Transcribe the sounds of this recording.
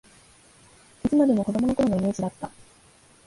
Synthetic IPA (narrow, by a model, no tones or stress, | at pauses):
it͡sɨmad̪e̞mo̞ko̞d̪o̞mo̞no̞ko̞ɾo̞no̞ime̞ːd͡ʑid̪at̪ːa